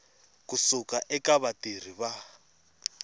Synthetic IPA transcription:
kusukaʔɛkaβatir̤iβa

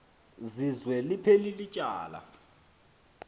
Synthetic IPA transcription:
zizwɛlipʰelilit͡ʃʼa̰ːla̰

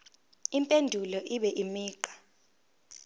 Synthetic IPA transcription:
impʼendʱulɔʔiɓɛʔimiːǃḁ

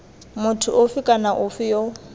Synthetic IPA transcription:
mʊtʰʊʔʊfɪkʼanaʔʊfɪjo

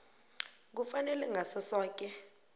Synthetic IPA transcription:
k̬ufanɛlɛŋʱasɛsaːk̬ʼɛ

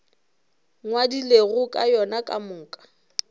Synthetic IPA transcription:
ŋwadileɣʊkʼajɔnakʼa̰mʊːkʼḁ

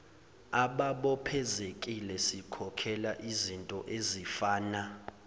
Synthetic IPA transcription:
aɓaɓɔpʰɛzekʼilɛsikʰɔkʰɛlaʔizintʼɔʔezifaːna

